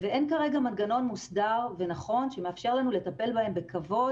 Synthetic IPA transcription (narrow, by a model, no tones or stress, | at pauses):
veʔe̞nkaʁe̞ɡamanɡano̞nmusdaʁve̞naχo̞nʃeme̞afʃe̞ʁlanule̞t̪ape̞lbahe̞mbe̞kavo̞